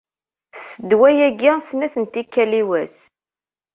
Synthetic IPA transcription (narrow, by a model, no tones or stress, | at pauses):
θsəd̪wæjæɡɪsnæθənt̪ikːæliwæs